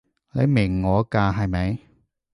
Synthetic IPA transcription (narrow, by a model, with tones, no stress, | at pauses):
le˨˧mɪ˨˩ŋːɔː˨˧˥kaː˧ɦɐ˨˧jmɐ˨˧˦j